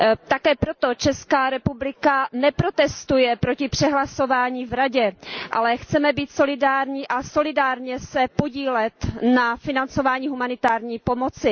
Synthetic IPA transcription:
t̪akɛːpɾo̞t̪o̞t͡ʃɛskaːɾɛpublɪkanɛpɾo̞t̪ɛst̪ujɛpɾo̞cɪpr̝̥ɛɦlaso̞vaːɲiːvɾaɟɛʔa̰lɛxt͡sɛmɛbiːt̪so̞lɪdaːɾɲiːʔaso̞lɪdaːɾɲɛsɛpo̞ɟiːlɛt̪nafɪnant͡so̞vaːɲiːɦumanɪt̪aːɾɲiːpo̞mo̞t͡sɪ

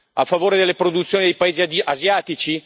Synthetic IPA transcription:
afːavoːɾed̪elːepɾod̪ut̪sːjoːnid̪ejpaeːziaʔazjaːt̪it͡ʃi

